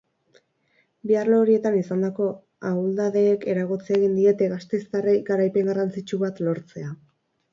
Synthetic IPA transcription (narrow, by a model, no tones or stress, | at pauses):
biarloːɾie̞t̪anisand̪ako̞ | auld̪aðe̞ːke̞ɾaɣot͡sieɣind̪ie̞t̪e̞ɣast̪e̞st̪areɡaɾajpe̞ŋɡarant͡sit͡ʃuβat̪lo̞ɾt͡se̞a